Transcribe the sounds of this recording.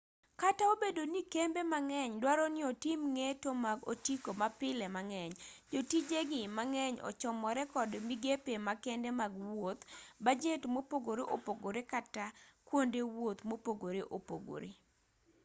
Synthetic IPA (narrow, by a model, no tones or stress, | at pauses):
kataobedonikembemaŋɛɲdwaɾɔnɪotimŋetomaɡo̰tikomapɪlɛmaŋɛɲd͡ʒotid͡ʒeɡɪmaŋɛɲɔ̰t͡ʃɔmɔɾɛkɔdmiɡepemakɛndɛmaɡwot̪bad͡ʒetmopoɡoɾeʔopoɡoɾekatakwondewot̪mopoɡoɾeʔopo̰ɡo̰ɾḛ